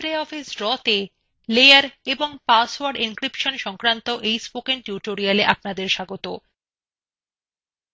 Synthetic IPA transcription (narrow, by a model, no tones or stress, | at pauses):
ɾeɔfisɾɔt̪e | lejaɾeboŋpasaɾɖinkɾipʃonʃɔŋkɾant̪oʔejspokenʈjuʈoɾialeʔapnad̪eɾʃaɡot̪o